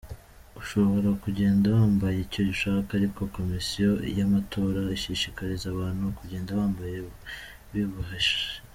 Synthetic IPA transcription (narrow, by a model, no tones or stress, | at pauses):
uʃo̞βo̞ɾakuɟe̞ːndawaːmbajeico̞ɟiʃaːkaːɾiko̞ko̞misijo̞jamatʰo̞ːɾaiʃiʃikaɾizaβaːnhukuɟe̞ːndaβaːmbaje | βiβuɦeʃe̥